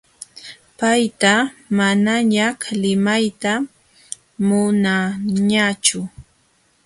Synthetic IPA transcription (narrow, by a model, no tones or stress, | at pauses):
pajt̪amanaɲahlɪmajt̪a | mʊnaɲat͡ʃʊ